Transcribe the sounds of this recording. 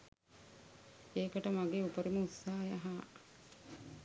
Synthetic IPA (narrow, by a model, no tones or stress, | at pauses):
eːkəʈəmaɡeːupəɾiməusːaːjaɦaː